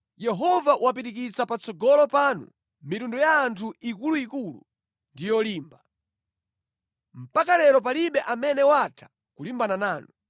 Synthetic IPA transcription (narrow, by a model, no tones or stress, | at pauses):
jɛɦɔvawapitikit͡sapat͡sɔɡɔlɔpanṵ | mitundɔjaːntʰuikuluikulṵ | ndijɔliːmba | m̩pakalɛɾɔp̬aliɓɛʔamɛnɛwatʰḁ | kulimbananaːnu